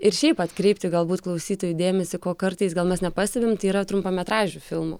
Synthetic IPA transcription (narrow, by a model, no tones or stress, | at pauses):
ɪɾʃʲɛɪpɐt̪kɾʲɛɪpʲt̪ʲɪɡɐlˠbuːt̪klˠɐʊsʲiːt̪oːjud̪ʲeːmʲɛsʲɪkoːkɐɾt̪ɐɪsɡɐlˠmʲɛsnʲɛpɑːsʲt̪ʲɛbʲɪmt̪ɐɪiːɾɐt̪ɾʊmpɐmʲɛt̪ɾɑːʒʲuːfʲɪlˠmo̰ː